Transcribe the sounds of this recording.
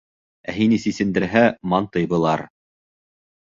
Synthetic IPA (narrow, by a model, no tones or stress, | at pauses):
æɦinisisɘ̆nd̪ɘ̆ɾɦæmɑnt̪ɤ̆jbɤ̆lˠɑɾ